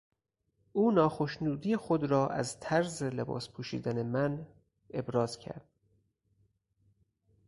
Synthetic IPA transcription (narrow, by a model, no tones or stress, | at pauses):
ʔuːnɒːxoʃnuːd̪ijexod̪ɾɒːʔæ̰zt̪ʰæɾzelebɒ̰ːspʰuːʃḭːd̪æne̞mæn | ʔe̞bɾɒːz̥cʰæ̰ɾd̪̥̚